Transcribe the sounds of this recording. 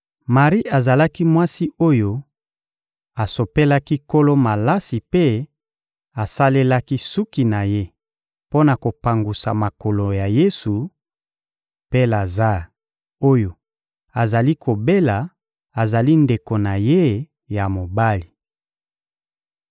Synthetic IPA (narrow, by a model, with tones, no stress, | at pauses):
ma˨ʁi˦a˨za˨la˦ki˦mwa˦si˦o˦jo˦ | a˨so˨pe˦la˦ki˦ko˦lo˦ma˨la˦si˨pe˦ | a˨sa˦le˦la˦ki˦su˦ki˨na˨je˦ | po˦na˨ko˨pa˨ŋɡu˨sa̰˨ma˨ko˨lo˨ja˨je˦su˨ | pe˦la˨za˦ | o˦jo˨ | a˨za˨li˦kʰo˨be˦la˨ | a˨za˨li˦nde˨ko˨na˨je˦ | ja˨mo˨ba˦li˨